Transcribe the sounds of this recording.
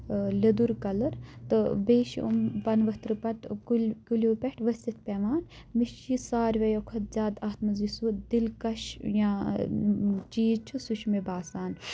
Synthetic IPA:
lɐd̪uɾkɐlɐɾt̪ɨbeːʃṵmpɐnʋɐt̪ɾpɐʈkukulʲoːpeʈʋɐsit̪̚ʰpʲeːʋaːn | miʃt͡ʃisaːɾʲʋɐjokʰɐt̪̚zʲaːd̪ɐːt̪mɐzisuːtd̪ilkɐʃjã | t͡ʃiːt͡ʃʰusuʃmebaːsaːn

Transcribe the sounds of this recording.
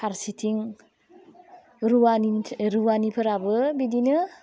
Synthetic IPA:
pʰaɾsitʰiŋ | ɾuwanʰɾuwanipʰɯɾabɯbidinɯ

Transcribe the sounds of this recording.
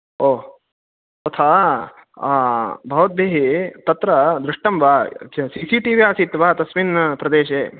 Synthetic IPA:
oː | t̪ɐt̪ʰaː | bʱɐʋɐt̪̚beːɦet̪ɐt̪ɾɐd̪ɾɪʂʈɐmʋaːsiːsiʈiʋiaːsit̪ʋaːt̪ɐsʋinpɾɐd̪eːʃeː

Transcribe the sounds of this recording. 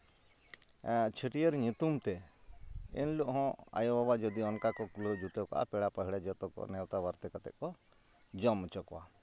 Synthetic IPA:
t͡ʃʰəʈijəɾɲut̪umt̪ɛ | ḭnlɔʔɦɔ̃a̰jɔbabad͡ʒɔd̪iɔnkakɔkuləd͡ʒuʈəka̰ʔa̰pɛɽapəɦiɽɛd͡ʒɔt̪ɔkɔ̰nɛwt̪abaɾt̪ɛkat̪ɛ̰ʔkɔ | d͡ʒɔmɛt͡ʃɔkɔwa̰

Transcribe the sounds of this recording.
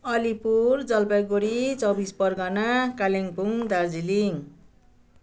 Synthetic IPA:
ʌlipurd͡zʌlpajɡoɾit͡sʌbispʌrɡanakaleŋpuŋd̪ard͡ziliŋ

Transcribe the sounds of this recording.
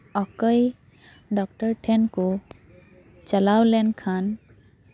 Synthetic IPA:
ɔkəj | ɖɔk̚ʈɔɹʈʰɛnkʊ | t͡ʃalawlɛnkʰan

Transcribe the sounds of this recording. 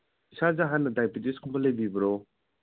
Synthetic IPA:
isazaɦanːɐdajpitiskʰumbɐləjbibɐɾɔ

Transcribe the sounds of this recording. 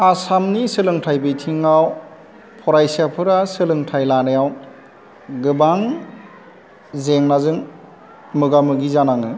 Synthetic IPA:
asamnisɯlɯŋtʰajbɯjtʰiŋaw | pʰɔɾajsijapʰɯɾasɯlɯŋtʰajlanɯjaw | ɡɯbaŋ | zeŋnazɯŋ | mɯɡamɯɡizanaŋɯ

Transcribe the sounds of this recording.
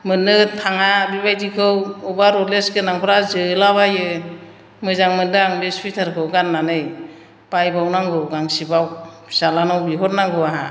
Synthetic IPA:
mɯnːɯtʰaŋabibajdikʰɯwɔbaɾɔleskɯnaŋpʰɾazɯlaβajɯ | mɯzaŋmɯndaŋbespʰitʰaɾkʰɯwɡanːanɯj | pajbawnaŋɡɯwɡaŋsibaw | salanawbiɦɔt̚naŋɡɯwaɦa

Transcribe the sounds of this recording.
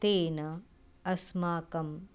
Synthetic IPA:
t̪eːnɐ | ɐsmaːkɐm

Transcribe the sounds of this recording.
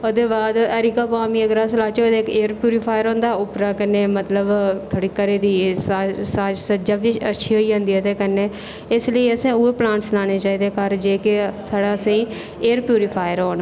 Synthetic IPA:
od̪eːbaːd̪əɾiːkaːpaːmiːəɡɾaːslaːt͡ʃod̪eːkeːəɾpjuːɾipʰaːjəɾõːnd̪aːʊpɾaːkənːeːmət̪ləbt̪ʰoːɽiːkəɾeːd̪iːsasaːd͡ʒsəd͡ʒaːbiə̰tːʃʰiːɦoːiːɦõːnd̪iːt̪eːkənːeː | ɪsləiːəsẽːueplãːɳʈslaːneːt͡ʃaːiːd̪eːkəɾd͡ʒeːket̪ʰoːɽaːsãːĩː | eːɾpjuːɾɪpʰaːjəɾoːn

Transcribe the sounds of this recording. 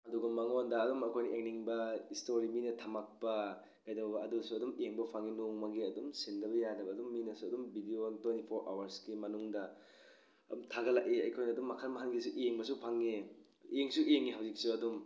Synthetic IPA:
ɐduɡɐmɐŋondɐːdumɐkʰojnɐʔeŋniŋbɐistoɾiminɐtʰamak̚pɐ | kajdɐbɐbɐɐdusuɐdumijeŋbɐpʰaŋinoŋmɐɡiɐdumsindɐbɐjanɐbɐːdumːinɐsuɐdumbidiontwentipʰoɾʔa̰wɐɾsɡimɐnuŋdɐ | ɐdumtʰaɡɐlak̚eɐ̰jkʰojnɐːdumːɐkʰanmɐɦanɡisuʔieŋbɐsupʰaŋe | ieŋsuʔieŋːiɦawzik̚suɐdum

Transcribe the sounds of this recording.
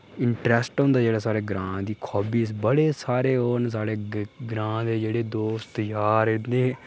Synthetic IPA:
ɪɳʈɾɛːsʈɦõːnd̪aːd͡ʒeːɽaːsaːɾeːɡɾãːd̪iːkʰɔːbiːsbəɽeːsaːɾeːɦoːns̬aːɽeːɡɾãːd̪eːd͡ʒeːɽeːd̪oːst̪jaːɾɪd̪ẽː

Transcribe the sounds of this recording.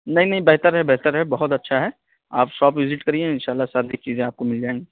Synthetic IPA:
nɐɦĩnɐɦĩbɛɦt̪əɾɦɛbɛɦt̪əɾɦɛbɐɦʊt̪ɐtːʃʰaɦɛː | aːpʃɔːpʋɪzɪʈkɐɾiẽɪ̃nʃaːlːasaːɾieːk̚t͡ʃiːzẽaːp̚komɪld͡ʒaːẽŋɡe

